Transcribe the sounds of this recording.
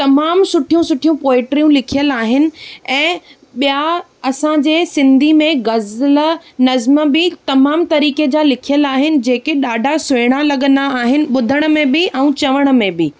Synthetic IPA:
t̪ɐmaːmsʊʈʰijũsʊʈʰijũpoːɪʈɾijũlɪkʰijəlaːɦɪnɪ̆ɛ̃ː | ɓija | ɐsãd͡ʑeːsɪ̃nd̪ʱimẽɡɐzlənɐzməbɪt̪ɐmaːmt̪ɐɾiːked͡ʑaːlɪkʰijəlaːɦɪnɪ̆d͡ʑeːkeɗaːɖʱasʊeːɽ̃alɐɠə̃nd̪aːɦɪnɪ̆ɓʊd̪ʱəɽ̃̆mẽbɪʔɛũt͡ɕɐʋəɽ̃ə̆mẽbɪ

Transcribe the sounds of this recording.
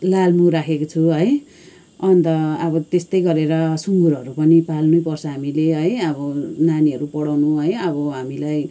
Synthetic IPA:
lalmuɾakʰekot͡sʰuɦʌj | ʌnt̪ʌːbʌt̪est̪ʌjɡʌɾeɾʌsuŋɡuɾɦʌɾupʌnipalnujpʌrsʰʌɦamileɦʌjʌβʌnaniʌɾupʌɽawnuɦʌjʌbʌɦamilaj

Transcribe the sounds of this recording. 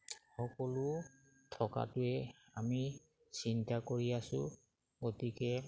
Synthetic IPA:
xɔkɔlʊ | tʰɔka̰tʊɛ | ami | sintakoɹiasʊ̰ | ɡotikɛ

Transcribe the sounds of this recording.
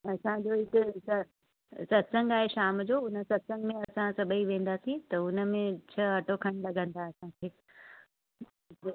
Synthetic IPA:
ɐsãd͡ʑoːɪk̪ɪsɐ | sɐt̪sə̃ŋɡaːɦeʃaːmd͡ʑoːʊnə̆sɐt̪sə̃ŋɡmẽɐsãsɐbʱəiʋẽːn̆d̪aːsĩt̪ɐʊnə̆mẽt͡ɕʰɐɐʈokʰɐɽ̃lɐɡə̃n̆d̪aɐsãkʰeː

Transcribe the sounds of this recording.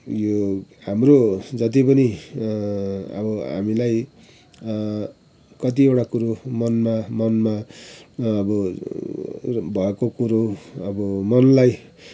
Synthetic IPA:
johamrod͡zʌt̪ipʌni | ʌ̰bʌɦa̰milaj | kʌt̪iewʈakuɾomʌnmamʌnma | ʌbʌ | bʱʌekokuɾoʌbʌmʌnlaj

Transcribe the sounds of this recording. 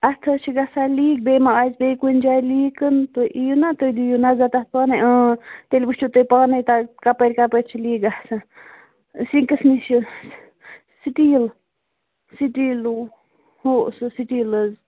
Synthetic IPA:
ʔat̪ʰət͡ʃʰiɡasaliːk̚beːmaʔazbekund͡ʒajliːkənt̪oʔijunat̪ojd̪ijunazat̪at̪̚ʰpaːnajʔə̃t̪elʲbuʃt͡ʃʰut̪əjpaːnajt̪akapəɾʲkapəɾʲt͡ʃʰiliːɡahsa | siŋkəsnisu | siʈil | siʈilu | hoʔsɨsiʈiləz

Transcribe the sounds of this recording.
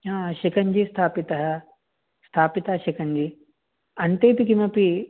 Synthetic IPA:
ãːʃikɐɲd͡ʑiːst̪ʰaːpit̪ɐɦɐ̆ | st̪ʰaːpit̪ɐɦɐʃikɐɲd͡ʑiː | ɐnt̪eːp̪ikimɐpi

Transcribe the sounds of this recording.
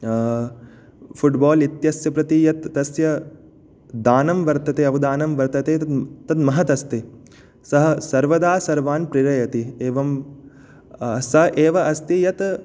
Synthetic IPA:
fʰuʈbaːlit̪jɐsjɐpɾɐt̪ijɐt̪ːɐsjɐ | d̪aːnɐmʋɐɾt̪ɐt̪eɐʋɐd̪aːnɐmʋɐɾt̪ɐt̪eːɐt̪ɐt̪mɐɦɐt̪ɐst̪i | sɐɦɐsɐɾʋɐd̪aːsɐɾʋaːnpɾiɾɐjɐt̪ieːʋɐm | sɐɦʔeːʋɐʔɐst̪ijɐt̪

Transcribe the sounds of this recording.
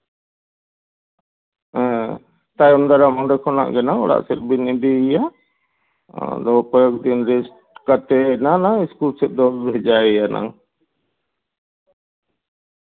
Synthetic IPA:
t̪ajɔmd̪aɾamɔɖɛkʰɔna̰ʔɡɛnaŋɔ̰ɽa̰ʔsɛt̪̚binid̪ija | d̪ɔpɔjɔk̚d̪inɾɛsʈ | kat̪ɛnanaiskulsɛt̪̚ˀd̪ɔɛd͡ʒaɛjana̰ŋ

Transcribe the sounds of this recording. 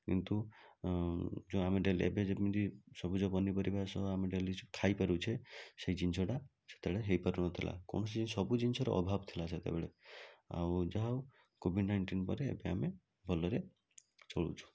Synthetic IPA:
kḭnt̪u | d͡ʒõameɖeliḛbed͡ʒebid̪isɔbud͡ʒɔbɔnːipɔɾibʱasɔameɖelikʰajpaɾut͡ʃʰesejd͡ʒinsʰɔʈa | se̥t̪ebeɭeɦejpaɾunɔt̪ʰilʔa̰kɔ̰ɳ̃ɔsid͡ʒinsɔbud͡ʒinsɔɾɔ̰ʔɔ̰bʱabt̪ʰilaset̪ḛbeɭea̰wd͡ʒaɦaw | kobʱiɖnajɳʈinpɔ̰ɾeḛbeame | bʱɔlɔɾe | t͡ʃɔɭṵt͡ʃʰu̥

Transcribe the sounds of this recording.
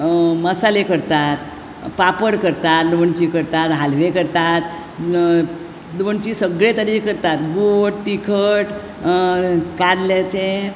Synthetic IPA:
məsalekəɾt̪at̪ | papəɽkəɾt̪at̪luʋəɳt͡ɕikəɾt̪at̪ɦalʋekəɾt̪at̪ | luʋəɳt͡ɕisəɡɭet̪əɾikəɾt̪at̪boʈʈikʰəʈ | kaɾlat͡ɕe

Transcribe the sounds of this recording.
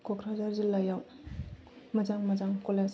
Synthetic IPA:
kʰokʰɾazaɾzilajaw | mɐd͡ʒaŋmɐzaŋkoles

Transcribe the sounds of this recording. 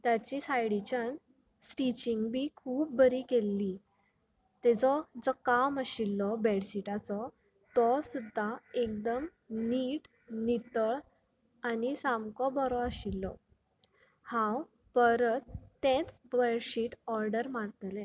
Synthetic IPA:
t̪jat͡ɕisajɽit͡ɕan | sʈit͡ɕiŋɡbikʰuːp̚bəɾikelːi | t̪ɛd͡zɔd͡zɔkaməɕilːɔbɛɽɕiʈat͡sɔ | t̪ɔsud̪ʱːaek̚d̪əm | niʈ | nit̪əɭ | anisamkɔbɔɾɔəɕilːɔ̰ | hãw | pəɾət̪ːɛ̃t͡sbɛɽɕiʈɔɾɖəɾmaɽt̪lɛ̃

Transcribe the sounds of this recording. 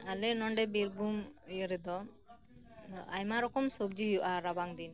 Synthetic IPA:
alɛnɔɳɖɛbiɾbumujɔɾɛd̪ɔ | a̰jmaɾɔkɔmsɔb̚d͡ʒijuʔaɾabaŋd̪in

